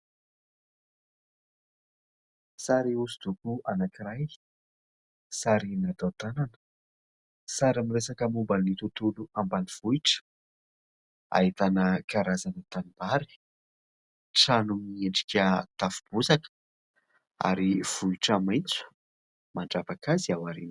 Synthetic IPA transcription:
saɾiuzud̪ukuanakiɾaj | saɾinad̪awt̪ananə̥ | saɾamiresakəmumbənit̪ut̪uluambaniv̥uiʈ͡ʂə̥ | a̰it̪anəkaɾazanit̪anibaɾi̥ | ʈ͡ʂanumieɳɖ͡ʐi̥kʲət̪afub̥uzakə̥ | a̰ɾiv̥uiʈ͡ʂəmajnt͡su̥ | maɳɖ͡ʐabakaziawaɾin

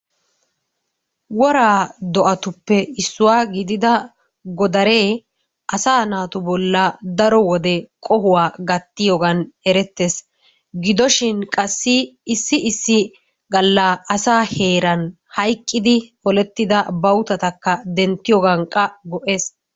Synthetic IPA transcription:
wɔɾaːd̪ɔʔɐt̪ʊpːɛɪsːʊwaːɡɪd̪ɪd̪ɐ | ɡɔd̪ɐɾe̞ː | ʔɐsaːnaːt̪ʊbɔlːɐd̪ɐɾɔwɔd̪ɛkʼɔhʊwaːɡɐt̪ːɪjoɡɐnɛɾɛt̪ːeːs | ɡɪd̪ɔʃɪnkʼɐsːɪɪsːɪɪsːɪ | ɡɐlːaːɐsaːhe̞ːɾɐn | hɐjkʼːɪd̪ɪɔlɛt̪ːɪd̪ɐbɐwt̪ɐt̪ɐkːɐd̪ɛnt̪ːɪjɔɡɐŋkʼːɐɡɔʔeːs

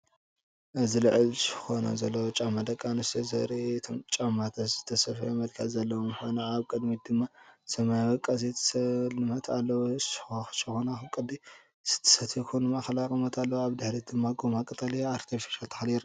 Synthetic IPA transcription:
ʔɨzilɨʕɨlsɨ̥xo̞nɐ̰zɐlːɐwot͡ʃʼamːad̪ɐkʼːanɨst̪ʰɐzɐ̰ɾit̪ʰo̰mt͡ʃʼamːat̪ʰɐzɨt̪ʰːɐsɐfemɐlkʰɐt̪zɐlːɐwjxonɐaβkʼɨd̪mid̪ɨmːasɐmajawɐkʼːazet̪ʰslɨmɐt̪ʰalːɐwxt͡ʃɨxonaxɨkʼɨd̪i | sɨ̥t̪ʰːɐ̥sɐt̪ʰikʰonɨmaxɐlakʼɨmɐt̪ʰalːɐwaβd̪ɨħɾid̪̥ɨmːaɡomakʼɨt̪ʼɐliaaɾt̪ʰifi̥ʃalt̪ʰɐ̥xljiɾ

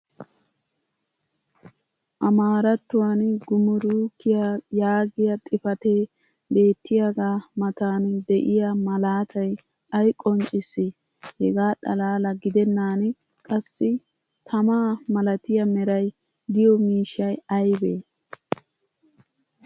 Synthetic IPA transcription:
ʔɐmaːɾɐt̪ːʊwanɡʊmʊɾuːkːɪjajaːɡɪjɐt̪ʼɪfɐt̪eː | be̞ːt̪ʰːɪjaɡaːmɐt̪aːnd̪ɛʔɪjamɐlaːt̪ʰɐj | ʔɐjkʼɔnt͡ʃʼɪsːɪ | hɛɡaːt̪ʼɐlaːlɐɡɪd̪ɛnːaːn | kʼɐsːɪ | t̪ʰɐmaːmɐlɐt̪ɪjɐmɛɾɐj | d̪ɪjɔmiːʃɐjɐjbeː

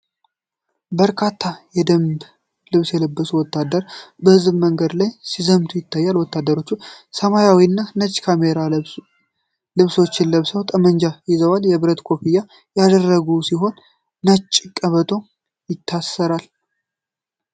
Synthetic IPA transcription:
bəɾkʰat̪ʰːajɛd̪əmb | lɨβsjɛləbːəsuwɔt̪ːad̪əɾbəhɨzbməŋɡəd̪lajsizəmt̪ʰujɪt̪ʰːajːalwɔt̪ːad̪ːəɾo̞t͡ʃːusəmajawiɨnːanət͡ʃʼkʰameɾa | lɨβso̞t͡ʃːɪnləβsəwt̪ʼəmənd͡ʒajɪzəwaljɛβɨɾət̪kʰo̞pija | jad̪ərːəɡusiɦo̞nː | ət͡ʃʼːkʼːəβət̪ʰo̞ | jɪt̪ʰːasːəɾal

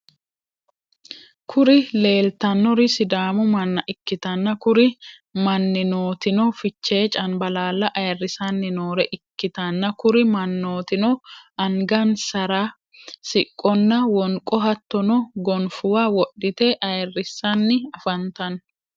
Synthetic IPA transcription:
kʰʊɾɪle̞ːlt̪ɐnːɔɾɪsɪd̪aːmʊmɐnːɐʔɪkːɪt̪ɐnːɐkʊɾɪ | mɐnːɪnoːt̪ɪnɔfɪt͡ʃːe̞ːt͡ʃʼɐnbɐlaːlːɐʔɐjɐrːɪsɐnːɪno̞ːɾɛʔɪkːɪt̪ɐnːɐkʊɾɪmɐnːoːt̪ɪnɔɐŋɡɐnsɐɾaː | sɪkʼːɔnːɐwɔŋkʼɔɦɐt̪ːɔnɔɡɔnfʊwaːwɔɗːɪt̪eːʔɐjɐrːɪsːɐnːɪɐfɐnt̪ɐn

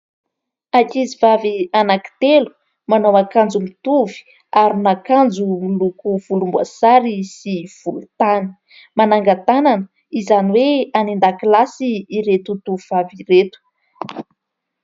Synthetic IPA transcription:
akizivavianaki̥t̪elu̥ | manowakand͡zulut̪uvi̥ | aɾinakand͡zulukuv̥ulumba̰saɾisiv̥ulut̪anə̥ | manaŋɡat̪ananə | izaniweanind̪akilasiːɾet̪ut̪uviv̥aviɾet̪u̥

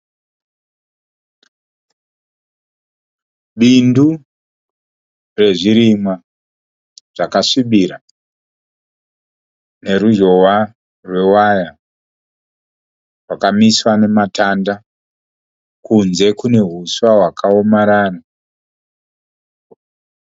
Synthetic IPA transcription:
ɓindu | re̞ʐiɾimwa | ʐ̥akaʂiɓiɾa | ne̞ɾud͡ʒo̞wa | rwe̞waja | rwakamiswane̞matanda | kunze̞kune̞ɦuswawakʰaomaɾaːna

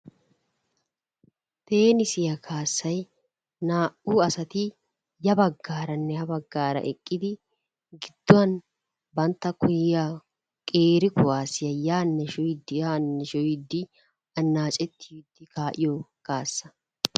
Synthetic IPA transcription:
t̪e̞ːnɪsɪjɐkʰaːsːɐj | naːʔuːɐsɐt̪ɪ | jɐbɐɡːaːɾɐnːɛhɐbɐɡːaːɾɐ̰ʔɛkʼːɪd̪ɪ | ɡɪd̪̥ːʊwɐn | bɐnt̪ːɐkʊjɪja | kʼeːɾɪkʊwaːsɪjɐjaːnːɛʃɔɪd̪jaːnːɛʃɔjɪd̪ːɪ | ɐnːaːt͡ʃʼɛt̪ʰːɪɪd̪ːɪkaːʔɪjɔkaːsːɐ̥

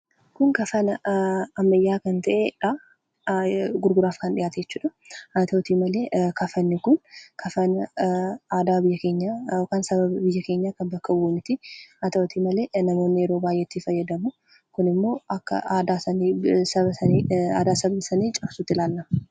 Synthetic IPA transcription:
kʊŋkɐfɐnɐɐmːɐjːaːkɐnt̪ɐʔeᶑa | ɡʊɾɡʊɾaːfkɐnᶑ̪ɪjaːt̪ɐjɛt͡ʃːuːᶑɐ̥ | ɐt̪ɐɔt̪iːmɐleːkʰɐfɐnːɪkʊnkʰɐfɐn | aːd̪aːbɪjːɐke̞ːɲːaɔkaːnsɐbɐbɐbɪjːɐke̞ːɲːaːkɐnbɐkːɐwuːmɪt̪ɪɐt̪ɐwt̪iːmɐle̞ːnɐmo̞ːnːɪjɛɾo̞ːbaːjʔɛt̪ːiːfɐjːɐd̪ɐmʊ | kʊnɪmːo̞ːɐkːɐ̰aːd̪aːsɐnisɐɐɐa̰ːd̪aːsɐbɐbɐsɐniːt͡ʃʼɐfsʊt̪ːɪlaːlːɐmɐ

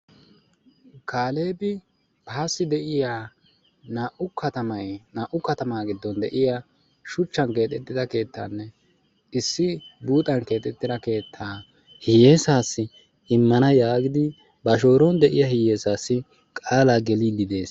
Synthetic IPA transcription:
kaːleːbɪ | paːsːɪd̪ɛʔɪjaː | naːʔʊkɐt̪ɐmɐjnaːʔʊkɐt̪ɐmaːɡɪd̪ːɔnd̪ɛʔɪja | ʃʊt͡ʃːɐnke̞ːt̪ʼːɛt̪ːɪd̪ɐke̞ːt̪ːa̰ːnːɛ | ɪsːɪbuːt̪ʼɐnke̞ːt̪ʼɛt̪ːɪd̪ɐke̞ːt̪ʰːaː | hɪjeːsaːsːɪ | ɪmːɐnɐjaːɡɪd̪ɪ | bɐʃo̞ːɾɔnd̪ɛʔɪjɐhɪjeːsaːsːɪ | kʼaːlaɡɛlid̪ɪd̪e̞ːs

